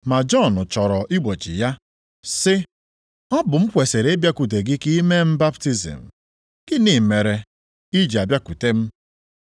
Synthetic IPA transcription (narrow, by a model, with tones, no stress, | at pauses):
ma˨d͡ʒɔ˦˨nʊ˨t͡ʃɔ˨ɾɔ˨ʔi˦ɡ͡bo˨t͡ʃḭ˨ja˦ | sɪ˦ | ɔ˦bʊ˨m̩˦kʷe˨se˨ɾe˦bja˦ku˨t̬e˨ɡɪ˦ki˦me˦m̩˦ba˦pti˦zḭ˨m̩˨ | ɡ̥ɪ˦ni˨me˨ɾe˨ | i˦d͡ʒi˨a˨bja˦ku˨te˦m̩˦